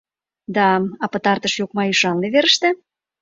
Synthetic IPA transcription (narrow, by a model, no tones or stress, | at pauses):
d̪ɑɑpət̪ɑrt̪əʃjokmɑyʃɑnleβeɾəʃt̪e